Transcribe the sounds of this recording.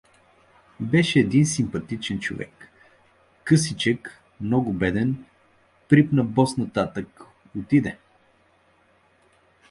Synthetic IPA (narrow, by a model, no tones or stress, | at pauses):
bɛʃɛːd̪insimpɐt̪it͡ʃɛnt͡ʃo̰vɛ̰kː | ɤsit͡ʃɛk | mnɔɡʊbɛd̪ɛn | pɾipnɐbɔsnɐt̪at̪ək | ot̪id̪ɛ